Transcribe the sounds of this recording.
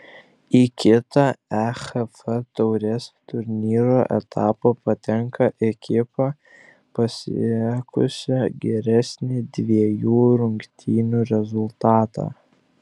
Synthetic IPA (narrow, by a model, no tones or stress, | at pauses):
ikʲɪt̪ɑæxɛfɛt̪ɔʊɾʲɛst̪ʊɾʲnʲiːɾoːʔɛ̰t̪ʰɑːpɐpɐt̪ʲɛŋkɐʔɛkʲɪpɑ | pɐsʲɛkʊ̰sʲɛɡʲɛɾʲæsʲnʲɪd̪ʲʋʲiɛjuːɾʊŋʲkt̪ʲʰiːnʲuːɾʲɛzʊlˠt̪ɑːt̪ɑ̰ː